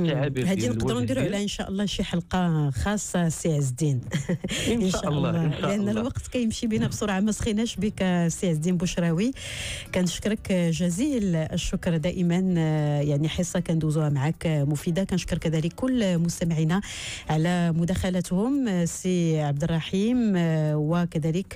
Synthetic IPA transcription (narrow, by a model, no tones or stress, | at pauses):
hæd̪inəqd̪ɾund̪iɾuʕlæʔənʃæʔəlˤːɑʃiħɑlqɑxɑsˤːɑsiʕəzd̪in | ʔənʃæʔəlˤːɑlʔənːælwɑqt̪kæjəmʃibinæbsˤoɾʕamæsxinæʃbikæsiʕəzd̪inbʊʃɾˤɑwi | kænəʃkɾˤəkʒæziləʃːʊkɾˤd̪æʔəmənjaʕniħəsˤːɑkænd̪uzuhæmaʕakmʊfid̪akænəʃkəɾˤkæd̪æləkʰːʊlːmʊst̪æmʕinæʕalæmʊd̪æxælæt̪hʊmsiʕab̚d̪ərˤːɑħimwəkæd̪ælək